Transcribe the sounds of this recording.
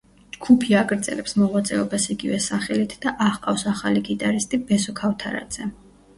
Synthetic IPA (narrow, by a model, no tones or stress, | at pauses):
d͡ʒɡʰupʰiaɡʼɾd̪z̥ɛ̰lɛpsmɔʁwat̪sʼɛɔbasiɡivɛsaχɛlit̪ʰd̪̥aʔaχqʼafsaχaliɡit̪ʼaɾist̪ʼibɛsɔkʰaft̪ʰaɾa̰d̪z̥ɛ